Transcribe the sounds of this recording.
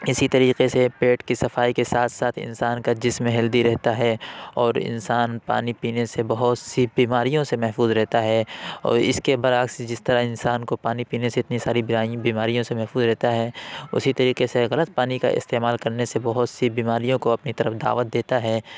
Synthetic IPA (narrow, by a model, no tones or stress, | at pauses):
ɪsit̪ɐɾiːqesepeːʈkisɐfaːikesaːt̪ʰsaːt̪ʰɪ̰̃nsaːnkad͡ʒɪsmɦɐld̪iɾɛɦt̪aɦɛɔːɾɪ̰nsaːnpa̰ːnipiːnesebɐɦʊt̪sibiːmaːɾijõsemɛɦfuːzɾɛɦt̪aɦɛɔ̰ːɾɪskebɐɾaːksd͡ʒɪst̪ɐɾaɦɪnsaːnkopaːnipiːneseɪt̪nisaːɾibaːj̃biːmaːɾijõsemɛɦfuːzɾɛɦt̪aɦɛʊ̰sit̪ɐɾiːqeseɣɐlət̪̚paːnika̰ʔɪ̰st̪eːmaːlkɐɾnesebɐɦʊt̪sibiːmaːɾijõkoɐpnit̪ɐɾəfd̪a̰ːʋət̪̚d̪eːt̪aɦɛː